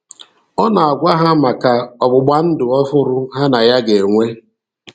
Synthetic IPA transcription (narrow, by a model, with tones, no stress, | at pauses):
ɔ˦na˨a˨ɡʷa˦ɦa˦ma˨ka˨ɔ˨ɡ͡bʊ˨ɡ͡ba˦n̩˦dʊ˨ɔ˦fʊ˦ɾʊ˦ɦa˦na˨ja˦ɡe˨ŋʷe˦